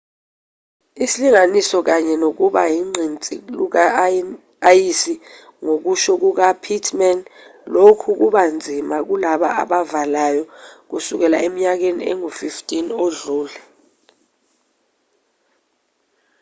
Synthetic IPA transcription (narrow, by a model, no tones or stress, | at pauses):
isiliŋanisɔk̬aɲɛnok̬uɓajiŋ͡ǀʱint͡sʼḭluk̬a | jisi | ŋok̬uʃɔk̬uk̬apʰitʰmɛnlokʰuk̬uɓand͡zʱimak̬ulaɓa̰a̰ɓavalajɔk̬usuk̬ɛlaemiɲak̬enḭɛ̰ŋufiftʼinoɮuːlɛ